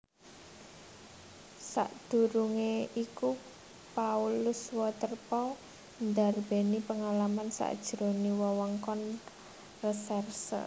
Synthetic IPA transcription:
sa̰ʔd̪̥ṳɾuŋeiku | paulʊswɔt̪ərpɔw | nd̪arb̥e̤nipəŋalamansa̰ʔd̥ʒ̥ɾo̤niwɔwɔŋkɔn | rəsɛrsə̰

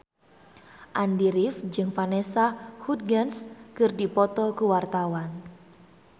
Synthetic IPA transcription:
ʔandiɾifd͡ʒɨŋfanesahut̪̚ɡanskɨrdipɔt̪ɔkuwart̪awan

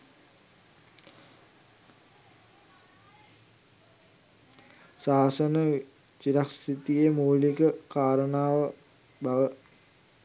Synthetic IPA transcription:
saːsənə | t͡ʃiɾaksit̪ijemuːlikəkaːɾənaːʋə | baʋə

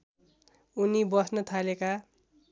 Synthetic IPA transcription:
unibʌsnʌt̪ʰaleka

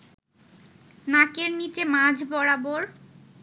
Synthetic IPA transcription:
nãkeɾnit͡ɕemãd͡ʑʱbɔɾaboɾ

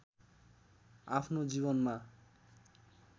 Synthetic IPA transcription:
apʰnod͡ʑiβonma

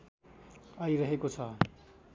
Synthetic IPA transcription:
ʌiɾʌɦekot͡sʰʌ

